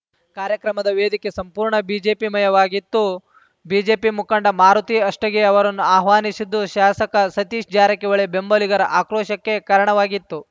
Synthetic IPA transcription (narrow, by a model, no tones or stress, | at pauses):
kaːɾjɐkɾɐmɐd̪ɐʋeːd̪ikesɐmpuːɾɳɐbiːd͡ʒe̞ːpimɐjɐʋaːɡit̪ːu | biːd͡ʒe̞ːpimukɐɳɖɐmaːɾut̪iɐʂʈɐɡe̞ɐʋɐɾɐnːuaːɦʋaːnisid̪ːuʃaːsɐkɐsɐt̪iːʃd͡ʒaːɾɐkeʋɐɭebe̞mbɐliɡɐɾɐʔaːkɾɔːʃɐkːe̞kɐɾɐɳɐʋaːɡit̪ːu